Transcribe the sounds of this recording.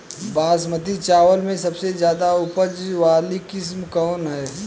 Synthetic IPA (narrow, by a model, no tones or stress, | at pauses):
baːsmət̪it͡ʃaːʋəlmẽsɐbsezjaːd̪aʊpəd͡ʒʋaːlikɪs̬mkɔːnɦɛː